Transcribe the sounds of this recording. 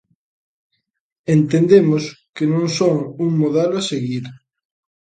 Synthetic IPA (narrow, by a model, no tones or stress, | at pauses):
ent̪end̪emoskenõŋsoŋuŋmoðɛloaseɣiɾ